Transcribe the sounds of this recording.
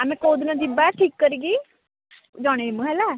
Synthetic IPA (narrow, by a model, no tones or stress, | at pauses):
ɛmɛ̃koːd̪nãd͡ʒibaʈʰiːkːəɾiːɡiː | d͡ʒãːɽ̃emə̃ɦɛla